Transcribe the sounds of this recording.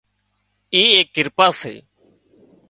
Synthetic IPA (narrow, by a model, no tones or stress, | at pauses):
iːeːkːɪɾpaːsḛː